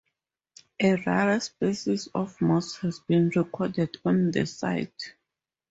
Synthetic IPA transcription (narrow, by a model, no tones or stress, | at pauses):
ʔeɹaɹəspesisɔfmɔshɛzbĩnɹɛkʰɔdɛdɔ̃ndə̰sa̰jt